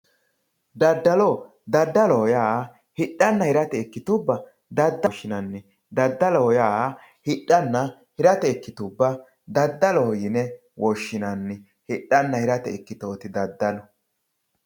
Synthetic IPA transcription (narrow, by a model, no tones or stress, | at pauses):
d̪ɐd̪ːɐlɔ | d̪ɐd̪ːɐlɔɔjaː | hɪɗɐnːɐhɪɾɐt̪ɛːkːɪt̪ʊbːɐ | d̪ɐd̪ːɐʃːɪnɐnːɪ | d̪ɐd̪ːɐlɔhɔjaː | hɪɗːɐnːɐ | hɪɾɐt̪ɛɛkːɪt̪ʊbːɐ | d̪ɐd̪ːɐlɔhɔjɪnɛ | wʔɔʃːɪnɐnːɪ | hɪɗːɐnːɐhɪɾɐt̪ɛɛkːɪt̪oːt̪ɪd̪ɐd̪ːɐlɔ